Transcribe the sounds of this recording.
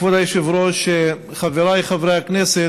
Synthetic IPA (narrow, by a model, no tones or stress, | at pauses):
vad̪ajʃɪvɾoʃe | χaveɾajχavɾeaknɛsɛ